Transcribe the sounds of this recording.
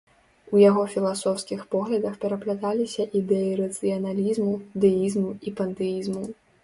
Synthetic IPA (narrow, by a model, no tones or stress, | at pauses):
ujaɣɔfʲilˠasɔwskʲixpɔɣlʲɐd̪ɐxpʲɛɾɐplʲat̪alʲisʲɐʔid̪ɛjiɾɐt̪sɨjɐnalʲizmud̪ɨjizmuipɐnt̪ɛjizmu